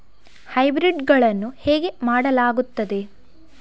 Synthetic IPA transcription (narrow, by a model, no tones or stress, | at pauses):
hɐjbɾiɖɡɐɭɐnːuheːɡe̞maːɽɐlaːɡut̪ːɐd̪e̞